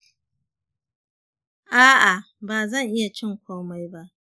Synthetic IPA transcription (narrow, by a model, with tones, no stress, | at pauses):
ʔaː˦ʔa˨ | baː˨zɐ˦˨ŋʔɪ˦ja˨t͡ʃɪ˦ŋkʷoː˦ma˦jba˦ʔ